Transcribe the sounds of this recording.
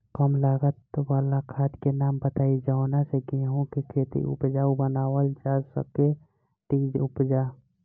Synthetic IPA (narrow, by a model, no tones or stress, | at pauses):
kəmlaːɡət̪waːlakʰaːt̪kenaːmbət̪aːid͡ʒaːnaseɡẽːɦõkikʰeːt̪ḭʔʊ̰pd͡ʒaːubənaːwəld͡ʒaːsə̰ke | t̪iːd͡ʒʊpd͡ʒaː